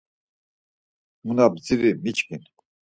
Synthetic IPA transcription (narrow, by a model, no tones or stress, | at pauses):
munab̚ziɾimit͡ʃkin